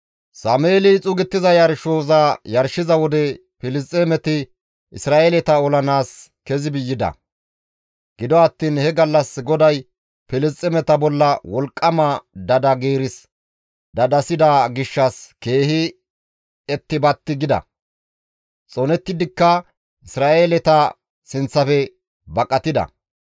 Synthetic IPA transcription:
saːmeːlɪt͡sʼʊɡɪt̪ːɪzɐjɐɾʃoːzaːjɐɾʃɪzɐwɔd̪ɛ | pɪlɪst͡sʼɛmɛt̪ɪ | ɪsɾaːʔelɛt̪ɐɔlɐnaːs | kɛzɪbɪjːɪd̪ɐ̰ | ɡ̥ɪd̪ɔɐt̪ːiːnhɛɡɐlːɐsɡɔd̪ɐj | pɪlɪst͡sʼːɛmɛt̪ɐbɔlːɐwɔlkʼːɐmɐd̪ɐd̪ɐɡeːɾɪs | d̪ɐd̪ɐsɪd̪aːɡɪʃːɐske̞ːhɪ | ɛt̪ːɪbɐt̪ːɪɡɪd̪ɐ̰ | t͡sʼɔnɛt̪ːɪd̪ɪkːɐ | ɪsɾaːʔeːlɛt̪ɐ | sɪnt͡sːɐfɛ | bɐkʼɐt̪ɪd̪ɐ̰

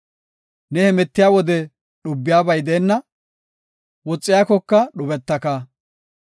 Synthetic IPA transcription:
nɛhɛmɛt̪ːɪjaːwɔd̪ɛ | ɗʊbːɪjaːbɐjd̪eːnːɐ | wɔt͡sʼːɪjaːkɔkːɐɗʊbɛt̪ːɐkaː

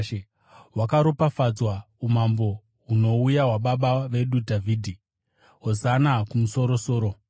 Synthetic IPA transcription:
wakaɾopafad͡zwa | umambo̞ | ɦuno̞ujaɦwaɓaɓaʋe̞ɗudʱavʱiːdʱi | ɦozanakumuso̞ɾo̞so̞ːɾo̞

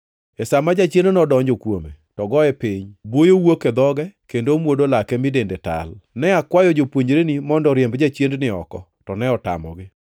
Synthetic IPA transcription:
ɛsamad͡ʒat͡ʃjendonɔdɔɲd͡ʒokwome | tɔɡɔɛpɪɲbwojowoked̪ɔɡɛkendomwodolakɛmɪdendeta̰lnɛakwajɔd͡ʒopwoɲɾenimɔndɔɾjɛmbd͡ʒat͡ʃjendnɪɔ̰kɔ | tɔnɛɔta̰mɔ̰ɡɪ

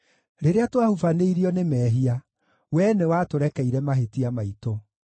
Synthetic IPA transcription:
ɾeɾeatwahufaneiɾiɔnemɛːɦia | wɛnɛwatoɾɛkɛiɾɛmaɦetiamaito

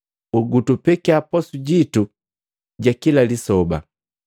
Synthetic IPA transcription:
uɡutupɛkiapɔsuɟitu | ɟakilalisɔba

